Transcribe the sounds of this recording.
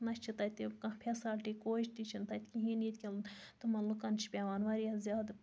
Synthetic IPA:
nɐt͡ʃʰit̪ɐt̪ikɐ̃pʰesɐlʈikoːt͡ʃt̪it͡ʃʰint̪ɐt̪ʲkʲiɦĩnit̪ʲkʲilt̪ɨmɐnlukɐnt͡ʃʰi̥pʲeʋaːnʋɐɾijɐzjaːd̪

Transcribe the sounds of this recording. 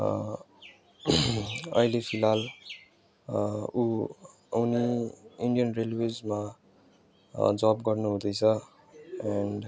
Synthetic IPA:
ʌ̰ilepʰilal | u | uniiɳɖijʌnrelwed͡zma | d͡zabɡʌrnuɦũd̪ʌjt͡sʰʌ | aɳɖ

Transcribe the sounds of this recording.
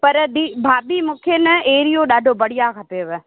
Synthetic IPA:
pɐɾd̪iːbʱaːbimũːkʰenɐeːɾijoɗaːɖʱobɐɽ̤ijakʰɐpeʋɪ

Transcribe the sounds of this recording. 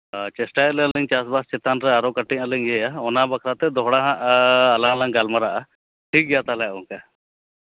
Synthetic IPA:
t͡ʃesʈalɛɐləɲt͡ʃasbast͡ʃɪt̪anɾɛaɾokəʈiɲələɲejaɔnabɐkʰɾat̪ɛd̪ɔɦɽaɦãʔːlãlãŋɡalmaɾaʔa | ʈʰik̚ɡjat̪alaʊnka

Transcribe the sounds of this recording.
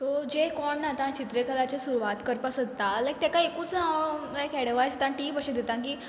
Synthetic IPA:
t̪od͡ʑekɔɳːat̪ãt͡ɕit̪ɾekəlat͡ɕesuɾʋat̪kəɾpasət̪ːalak̚t̪ɛkaekut͡saekɛɽəʋajst̪ãʈiːbəɕed̪et̪ãkiː

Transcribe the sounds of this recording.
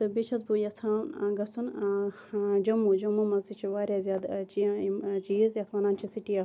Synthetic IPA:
t̪ɨbit͡ʃʰɐzbujɐsʰaːnɡɐsun | d͡ʒɐmud͡ʒɐmumɐzd͡ʒit͡ʃʰiʋaːɾʲjaːzjaːd̪t͡ʃit͡ʃiːzjɐt̪ʰʋaːnaːnt͡ʃʰisiʈija

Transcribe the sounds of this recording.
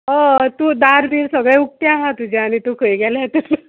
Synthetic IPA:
ɦət̪uːd̪aɾd̪iːɾsəɡɭɛ̃uk̚ʈ̪jãɦãt̪ud͡ʑaːɽ̃it̪ukʰəjɡɛlat̪əl

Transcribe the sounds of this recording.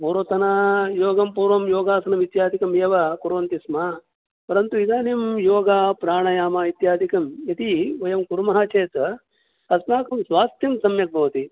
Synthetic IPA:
poːɾot̪ɐnajoːɡɐmpuːɾʋɐmjoːɡaːsɐnɐmit̪jaːd̪ʱikɐmeːʋɐkuɾʋɐnt̪ismaː | pɐɾɐnt̪uid̪aːnimjoːɡaːpɾaːɳɐjaːmaːit̪jaːd̪ʱikɐmjɐt̪iojɐmkuɾmɐɦat͡ʃeːt̪ɐ | ɐsnaːkɐmsʋaːst̪jɐmsɐmjɐk̚bʱɐʋɐt̪i

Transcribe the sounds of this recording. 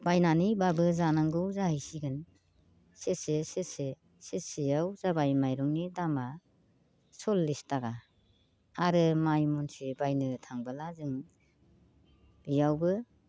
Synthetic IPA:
b̥ajnanibabɯzanaŋɡɯwzahajsiɡɯn | sesesese | sesijawzabajmajɾɔŋnidama | sɔlːistaɡa | aɾɯmajmɔnsibajnɯtʰaŋbɯlazɯŋ | b̥ijawbɯ

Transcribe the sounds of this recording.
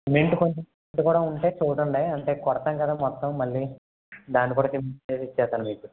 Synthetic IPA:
meɳʈukoɲt͡ʃemeɳʈukuːɽaːuɳʈeːt͡ʃuːʈɐɳɖejɐɳʈe̞ːkɔɽɐt̪ɐŋkɐd̪aːmɔt̪ːɐmːɐɭːiː | d̪aːnːikuːɽaːt͡ʃemeːsit͡ʃːɛːst̪aːnumiːku

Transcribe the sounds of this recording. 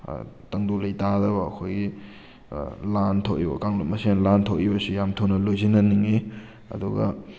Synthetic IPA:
tɐŋdulɐjtadɐbɐ̰ːkʰojɡi | lantʰowʔibɐ̰kaŋlot̚mɐsenlantʰɐwibɐsijamtʰownɐlojzinɐniŋi | ɐ̰duɡɐ̰

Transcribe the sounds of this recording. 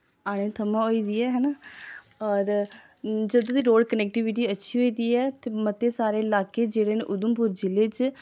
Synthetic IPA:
aːɽ̃ẽːt̪ʰəmãːɦoːiːd̪iːɛːɦɛːnaː | ɔːɾ | d͡ʒəd̪õːd̪iːɾoːɖkənɛːk̚ʈiːʋiʈiːətːʃʰiːɦoːiːd̪iːɛːt̪eːmət̪eːsaːɾeːɪlaːkeːd͡ʒeːɽeːnḛʔʊd̪ʊmpʊɾd͡ʒɪleːt͡ʃ

